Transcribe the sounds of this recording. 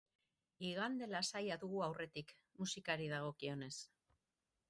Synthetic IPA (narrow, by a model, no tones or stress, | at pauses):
iɣand̪e̞lasajaðuɣuawre̞t̪ik | musikaɾiðaɣ̞o̞kio̞ne̞s